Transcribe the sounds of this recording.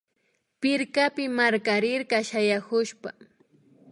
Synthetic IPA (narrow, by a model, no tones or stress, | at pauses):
pɪɾkapɪmaɾkaɾɪɾɢɑʃajakʊʃpa